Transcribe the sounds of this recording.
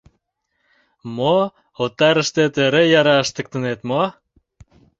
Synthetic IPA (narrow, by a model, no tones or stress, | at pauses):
mo | ot̪ːɑɾə̆ʃt̪et̪øɾejɑɾɑəʃt̪ə̆k̚t̪ə̆net̪mo